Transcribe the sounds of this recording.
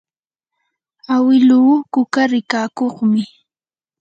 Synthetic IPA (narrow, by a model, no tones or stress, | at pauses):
awɪluːkʊkaɾɪkaːkoχmɪ